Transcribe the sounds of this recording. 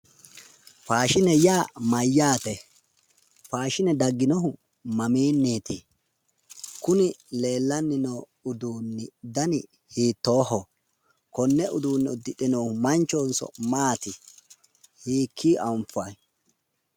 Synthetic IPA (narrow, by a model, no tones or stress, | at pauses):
faːʃɪnɛjaːmɐjːaːt̪ɛ | faːʃɪnɛd̪ɐɡːɪnɔɦʊ | mɐmiːnːiːt̪i | kʊnɪle̞ːlːɐnːɪnoː | ʊd̪uːnːɪd̪ɐnɪ | hiːt̪ːoːhɔ | kɔnːɛʔʊd̪uːnːɪʊd̪ːɪɗɪnohʊmɐnt͡ʃːoːnsɔ̰maːt̪ɪ | hiːkʰːiːʔɐʊmfɐj